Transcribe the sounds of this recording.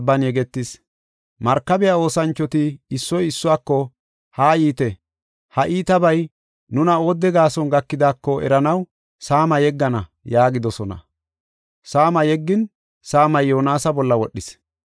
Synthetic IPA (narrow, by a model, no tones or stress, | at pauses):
bːɐnjɛɡɛt̪ːɪs | mɐɾkːɐbɛjao̞ːsɐnt͡ʃːɔt̪ɪɪsːɔjɪsːʊwaːkːɔ | haːjiːt̪ɛ | hɐʔiːt̪ɐbɐj | nʊnɐo̞ːd̪ːɛɡaːsɔnɡɐkːɪd̪aːkːɔɛ̰ɾɐnɐw | saːmɐjɛɡːɐnɐjaːɡɪd̪ɔsɔnɐ̰ | saːmɐjɛɡːɪn | saːmɐjːo̞ːnaːsɐbɔlːɐwɔɗːɪs